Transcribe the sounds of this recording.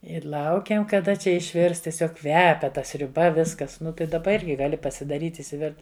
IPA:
ɪ ˈlˠɐʊkʲɛm kɐˈdɐ ˈt͡ʃʲɛ ɪʃʲˈʋʲɪrs tʲiɛˈsʲoːk ˈkʋʲæːpʲɛ ˈtɐ sʲrʲʊˈbɐ ˈʋʲɪskɐs ˈnʊ tɐɪ dɐˈbɐ ˈɪrʲɡʲɪ ɡɐˈlʲɪ pɐsʲɪdɐˈrʲiːtʲ ɪʃʲsʲɪˈʋʲɪrt

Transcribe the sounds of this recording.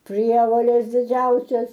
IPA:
ˈpʲrʲiɛʋoːlʲɛs dʲɪˈd͡ʒʲɛʊsʲɛs

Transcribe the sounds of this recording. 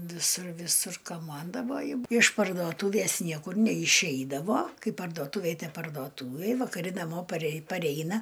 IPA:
ʋʲɪˈsʊr ʋʲɪˈsʊr kɐˈmɐndɐʋoːjʊ ɪʃ pɐrdoːˈtuːʋʲeːs ˈnʲiɛkʊr nʲɛɪˈʃʲɛɪdɐʋoː ˈkɐɪ pɐrdoːˈtʊʋʲeːj pɐrdoːˈtuːʋʲeːj ʋɐkɐˈrʲɪ nɐˈmoː pɐrʲɛɪ pɐˈrʲɛɪnɐ

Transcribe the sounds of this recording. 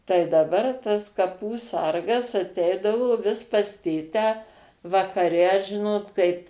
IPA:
tɐɪ dɐˈbɐr tɐs kɐˈpuː ˈsɐrɡɐs ɐˈtʲɛɪdɐʋoː ˈʋʲɪs pɐs ˈtʲeːtʲæː ʋɐkɐˈrʲɛ ˈʒʲɪnoːt kɐɪp

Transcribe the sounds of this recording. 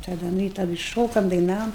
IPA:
tɐˈdɐ ˈnʊ ɪ tɐˈdɨ ˈʃoːkɐm dɐɪˈnɑːʋoːm

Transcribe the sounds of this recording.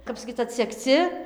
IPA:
ˈkɐp sɐˈkʲiːt͡s ɐtʲsʲɛkˈt͡sʲɪ

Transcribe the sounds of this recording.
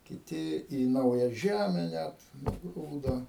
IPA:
kʲɪˈtʲɪ iː ˈnɐʊjɛ ˈʒʲæmʲɛ ˈnʲæt nʊˈɡruːdoː

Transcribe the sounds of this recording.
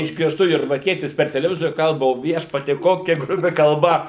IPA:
ɪʒʲɡʲɪrˈstʊ jʊrbɐrʲˈkʲiɛtʲɪs pʲɛr tʲɛlʲɛˈʋʲɪzoːrʲʊ ˈkɐlˠbɐ oː ˈʋʲiɛʃpɐtʲiɛ ˈkoːkʲɛ ɡrʊˈbʲɪ kɐlˠˈbɐ

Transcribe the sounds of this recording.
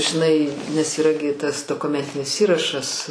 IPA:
ʒʲɪˈnɐɪ nʲɛs iːˈrɐ ɡʲɪ ˈtɐs doːkʊˈmʲɛnʲtʲɪnʲɪs ˈiːrɐʃɐs

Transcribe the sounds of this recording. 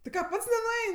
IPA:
tʲɪ ˈkɑː ˈpɐts nʲɛnʊˈɛɪnʲ

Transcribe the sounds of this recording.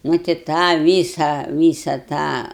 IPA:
ˈnʊ tɐɪ ˈtɑː ˈʋʲiːsɐ ˈʋʲiːsɐ ˈtɑː

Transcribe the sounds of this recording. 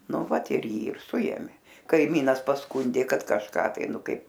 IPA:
ˈnʊ ˈʋɐt ɪr ˈjiː ɪr ˈsʊeːmʲeː kɐɪˈmʲiːnɐs pɐsˈkʊnʲdʲeː ˈkɐt kɐʃˈkɑː tɐɪ ˈnʊ ˈkɐɪp

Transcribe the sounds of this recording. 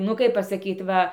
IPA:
nʊ ˈkɐɪp pɐsɐˈkʲiːt ˈʋɐ

